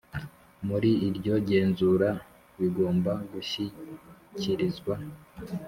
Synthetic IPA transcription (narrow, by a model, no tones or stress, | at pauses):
muɾiːɾɟo̞ɟe̞ːnzuɾa | βiɡo̞ːmbaɡuçiciɾizɡwa